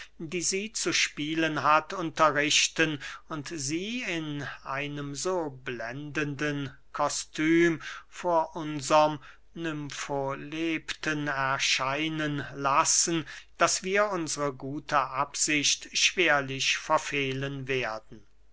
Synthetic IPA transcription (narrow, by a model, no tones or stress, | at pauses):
diːziːt͡suʃpiːlənɦatʊntɐʁɪʃtənʊntziːɪnʔa̰ɪnəmzoːblɛndəndən | kʰɔstʰyːmfoːɐʔʊnzɐm | nʏmfoleːptənɛɐʃaɪnənlasən̩d̥asv̥iːɐʊnzəʁəɡuːtʰəʔapz̥ɪɕtʃv̥eːɐlɪfɛɐfeːlənveːɐdn̩